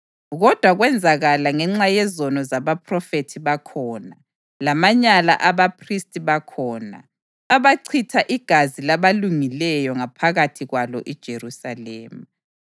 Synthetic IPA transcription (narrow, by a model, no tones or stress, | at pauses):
ɣɔd̥ʱwaɣwɛnd͡zʱaɣalaŋɛŋ͡ǁajɛzɔnɔzaβapʰʼrɔfetʰiβakʰɔna | lamaɲala̰ʔaβapʰristʼiβakʰɔːna̰ː | βaǀʰitʰaʔiɡ̥ʱazilaβaluŋilɛjɔŋapʰaɣatʰiɣwalɔʔid̥ʒ̥ʱerusaleːmu